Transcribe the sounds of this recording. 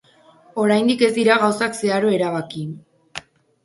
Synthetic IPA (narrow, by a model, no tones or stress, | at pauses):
o̞ɾajnd̪ike̞zd̪iɾaɣawsakse̞aɾo̞e̞ɾaβaki